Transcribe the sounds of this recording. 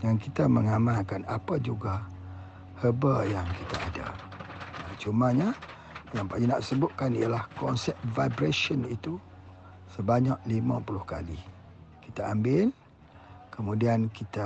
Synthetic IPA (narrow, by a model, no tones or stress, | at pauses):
jaŋkit̪aməŋamãkanapad͡ʒuɡa | həbəjaŋkit̪aʔada̰ | at͡ʃumaɲa | jaŋpajina̰ʔsəbʊt̪̚kanialahkɔnsɛp̚vajbɾaʃənit̪u | səbaɲaʔlima̰pulʊhka̰li | kit̪aambɪl | kəmũdiankit̪a